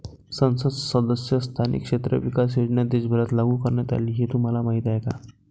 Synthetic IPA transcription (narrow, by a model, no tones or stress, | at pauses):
sənsədsəd̪əsjəst̪ʰanḭkʂet̪ɾə̰ʋikas̬eɽɳjad̪esbʱələt̪laɡʱuːkəɾɳjat̪a̰liːɦet̪um̤alamaɦit̪ajka̰